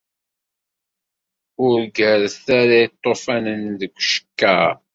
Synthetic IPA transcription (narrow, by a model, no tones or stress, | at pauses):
ʊɾɡəɾθaɾait̪ˤːofænənðəkʷːʃə̥kːæ